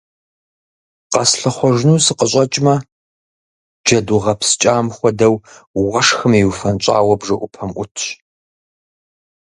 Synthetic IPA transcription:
qɐsɬɐχʷɔʒnuːsɨqəɕʼɐt͡ʃʼmɐ | d͡ʒɐduʁɐpst͡ʃʼaːmxʷɔdɐwʁɐʂxɨmiwufɐnɕʼa̰ːwɐbʐɐʔʷʊpʰɐmʔʷʊtʰɕ

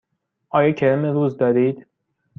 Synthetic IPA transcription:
ʔɒːjɒːcʰæɾimeɾuːzd̪ɒːɾiːd̪̥

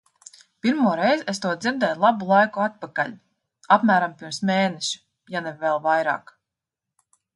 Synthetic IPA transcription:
pʲiɾmuɔɾɛjzest̪uɔd̪ziɾd̪ɛːjlˠabulˠajkuat̪̚pakaʎʲ | apmæːɾampiɾmsmeːnɛʃi̥ | janɛvːɛlˠvajɾa̰ːk

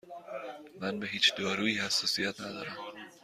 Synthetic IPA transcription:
mænbe̞ɦiːt͡ʃd̪ɒːɾuːiːhæsːɒːsijæt̪ʰnæd̪ɒ̰ːɾæm

